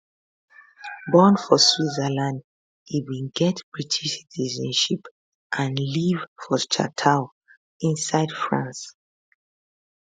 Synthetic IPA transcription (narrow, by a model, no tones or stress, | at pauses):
bɔ̃nfɔswizəlãnd | iwĩnɡɛtb̥ɹitʰiʃitizɔ̃nʃip | ʔãnlivfɔt͡ʃa̰tʰaʊ | ĩnsaɪdfɹãns